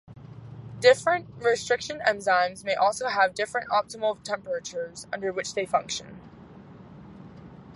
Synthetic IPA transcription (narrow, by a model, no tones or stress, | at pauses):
d̥ɪfɹɨ̃nʔɹɨstɹ̥ɪkʃɨ̃nɛ̃mzãɪ̃nzmeɪʔɔlˠsoʊəvdɪfɹɨ̃ntɑp̚təml̩ˠtʰɛ̃mpə˞ɨt͡ʃə˞zʌ̰̃ndə˞wɨt͡ʃðeɪfʌ̃ŋkʃɨ̃n